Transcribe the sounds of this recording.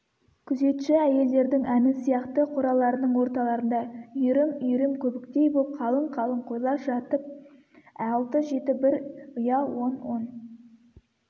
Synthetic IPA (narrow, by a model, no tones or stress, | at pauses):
kʲʰʏze̞t̪ʃɪæje̞ld̪e̞ɾd̪ɪŋænɪsijɑqt̪əqʰʊɾɑlˠɑɾənəɴwo̞ɾt̪ɑlˠɑɾənd̪ɑʏjɾɪmʏjɾɪmkʲʰɵbɪk̚t̪e̞jboəp̚qʰɑlˠəɴqʰɑlˠəɴqʰojlˠɑpʒɑt̪əp̚ | ælˠt̪əʒe̞t̪ɪbɪɾʊjɑwo̞nwo̞n